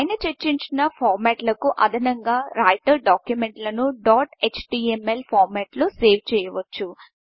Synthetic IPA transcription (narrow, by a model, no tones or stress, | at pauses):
ɐjnɐt͡ʃɐt͡ʃːiɲt͡ʃinɐpʰaːɾmɛːʈlɐkuʔɐd̪ʱɐnɐŋɡaːɾaːjʈɐɾɖaːkjumeɳʈlɐnuɖaːʈet͡ʃʈiːemelpʰaːɾmɛːʈloːseːʋt͡ʃɛːjɐʋɐt͡ʃːu